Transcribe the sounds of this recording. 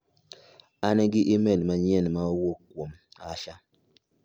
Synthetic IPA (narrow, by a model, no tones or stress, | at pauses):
anɛɡɪʔimelmaɲɛnmaowokkːwomaʃa